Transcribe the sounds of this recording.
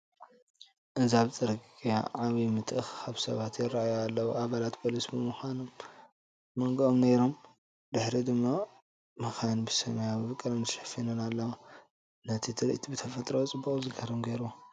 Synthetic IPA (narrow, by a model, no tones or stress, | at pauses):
ʔɨzaβt͡sʼɨɾkʼija̰ʕaβimɨt̪ʰʼʔɨxkʰaβsɐ̰βat̪jɪrːajoalːɐwuaβalat̪pʰolisibɨmuxʷanomː | ɐŋɡɨʔomnejɾom | d̪ɨħɾid̪ɨmːa | mɨxajnbɨsɐmɐjabɨβɨkʼːɨɾɐnɨʃɐ̥finɨnalːɐwa | nɐt̪ʰit̪ʰɨɾḭʔt̪ʰibɨt̪ʰɐfɐt̪ʼɾowt͡sʼɨbːukʼzɨɡɐɾɨmɡejɾuwo